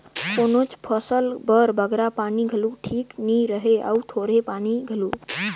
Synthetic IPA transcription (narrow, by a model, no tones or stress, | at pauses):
konot͡ʃpʰəsəlbəɾbəɡɾapaniɡʱəluʈʰikniɾəɦea̰ut̪ʰoɾepaniɡʱəlu